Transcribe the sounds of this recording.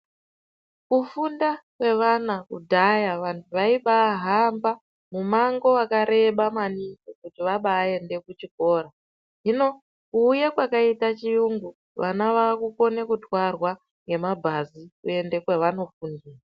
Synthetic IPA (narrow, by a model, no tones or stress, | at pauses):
kufundakwe̞ʋanakṵdʱajaʋantʰuʋaiɓaɦamba | mumaŋɡo̞akaɾe̞ɓamanikokutiʋaɓaːe̞nde̞kut͡ʃiko̞ːɾa | ʐino̞ | kuːjekwakaitat͡ʃijuŋɡu | ʋanaʋaːkuko̞ne̞kutwarwa | ŋɡe̞mabʱazikṵe̞nde̞kwe̞ʋano̞fundiːra